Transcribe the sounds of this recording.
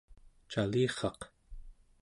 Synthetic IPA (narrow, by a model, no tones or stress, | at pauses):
t͡ʃaliːχɑq